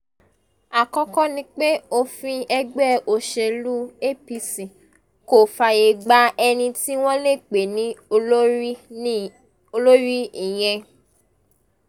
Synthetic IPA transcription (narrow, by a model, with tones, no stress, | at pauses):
a˨kɔ̃˧kɔ˦nĩ˧k͡pe˦o˧fĩ˧ɛ˧ɡ͡bɛ˦˨o˧ʃe˧lu˦e˦pi˧si˨ | ko˨fa˨je˧˨ɡ͡ba˧ɛ˧nĩ˧ti˦w̃ɔ̃˦le˦˨k͡pe˨nĩ˨˦ | o˧lo˦ɾi˦i˨j̃ɛ̃˧